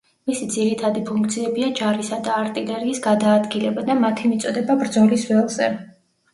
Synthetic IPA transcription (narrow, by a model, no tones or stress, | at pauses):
misid̪ziɾit̪ʰad̪ipʰuŋkt̪sʰiɛbiad͡ʒaɾisad̪aːɾt̪ʼilɛɾiisɡad̪aːd̪ɡilɛbad̪amat̪ʰimit̪sʼɔd̪ɛbabɾd̪zɔlisvɛlˠzɛ̰